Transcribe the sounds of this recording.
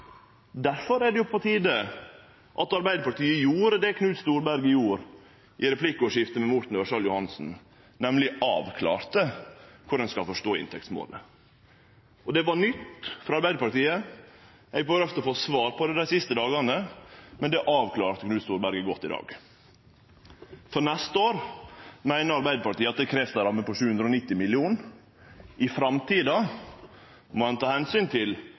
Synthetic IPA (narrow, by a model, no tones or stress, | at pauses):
d̪æɾfɔɾæɖɛjʊpʰɔt̪ʰiːd̪ə | ʔɑt̪ɑɾbæɪd̪əɾpɑʈ̪iːəjuːɾəd̪ɛkʰnʉːt̪st̪uːɾbæɾɡəɪjuːɾ | ʔɪɾɛpʰlɪkːɔʂɪft̪əmɛmʊʈ̪ɳ̩n̩ʋæʂɑljʊhɑnsn̩ | nɛmlɪɑ̰ːʋkʰlɑ̰ːɾt̪əkʰʊɾɛnskɑlfɔʂʈoːɪ̰nt̪ʰɛkt̪smo̰ːlə | ʔɔd̪ɛʋɑɳʏt̪ːfɾɑɑɾbæɪd̪əɾpɑɾʈ̪iːə | ɛɪɡ̚bøːɾəft̪əɔfoːsʋɑːɾpʰɔd̪ɛd̪æɪsɪst̪əd̪ɑːɡɑnəmɛnd̪ɛʔɑːʋkʰlɑːɾt̪əɡnʉːst̪uːɾbæɾɡəɡɔt̪ːɪd̪ɑ̰ːɡ | fɔɾnɛst̪əoːɾmæɪnəɾɑɾbæɪd̪əpɑʈ̪iːəɑt̪̚d̪ɛkʰɾɛft̪əɾɑmːəpɔʃʉːhʉnd̪ɾɔnɪt̪ːɪmɪlɪuːn | ʔɪfɾɑmt̪ʰiːd̪ɑ | mɔhɛnt̪ʰɑːhɛnsyːnt̪ʰɪl